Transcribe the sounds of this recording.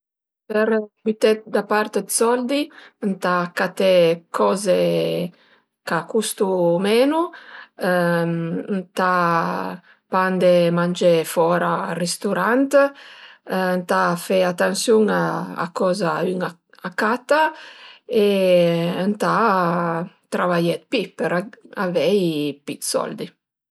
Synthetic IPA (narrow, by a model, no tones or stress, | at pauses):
pɛɾbyt̪ɛt̪̚d̪apaɾt̪ed̪sɔld̪int̪akːat̪ɛkʰɔːze | kakust̪umɛːnu | nt̪a | pand̪emand͡ʒefɔːɾarest̪uɾant̪ | nt̪afɛat̪ːansjuŋaa̰kːɔːzayŋa | akːat̪a | e | nt̪a | t̪ɾavajɛt̪pipɛɾaa̰vɛjpit̪sɔ̰ld̪i